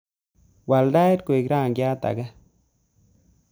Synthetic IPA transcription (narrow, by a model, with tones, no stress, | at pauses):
wa˨lda˦e˦tko˨e˨kɾa˦˨ŋɡja˦t̪a̰˨ɡa˦